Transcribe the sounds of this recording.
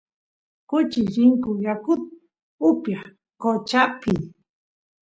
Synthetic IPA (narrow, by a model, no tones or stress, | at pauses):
kʊt͡ʃɪɾɪŋkʊjakʊt̪̚ | ʊpjaχ | kot͡ʃapi